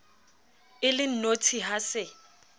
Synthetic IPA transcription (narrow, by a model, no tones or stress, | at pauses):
ɪlɪn̩notʰiɦasɪ